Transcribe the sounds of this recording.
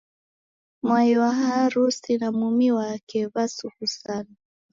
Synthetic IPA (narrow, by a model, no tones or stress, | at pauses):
mwajwaɦaaɾusinamumiwakɛβasuhusana